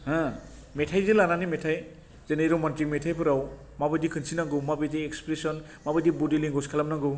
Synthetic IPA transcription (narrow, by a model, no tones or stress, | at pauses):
hã | metʰajzelananimetʰaj | z̥enejɾɔmantɾikmetʰajpʰɯɾaw | mabɯjdikʰɯnsinaɡɯwmabɯjdiekspɾesɔn | mabɯjdibudiliŋɡɔskʰalamnaŋɡɯw